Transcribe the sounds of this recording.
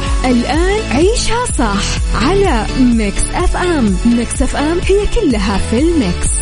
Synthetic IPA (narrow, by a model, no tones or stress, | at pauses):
ʔɪlʔaːnʕiːʃhasˤɑħʕala | mɪksʔafʔammːɪksʔafʔamhɪjːakʊlːɦafilmɪks